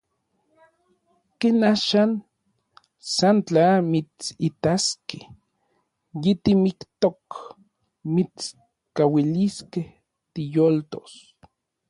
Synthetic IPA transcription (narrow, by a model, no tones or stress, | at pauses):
kenaːʃan | sant͡ɬamit͡sit̪aske | jet̪imikt̪ok | mit͡s | kawiliskeh | t̪ijolt̪o̰s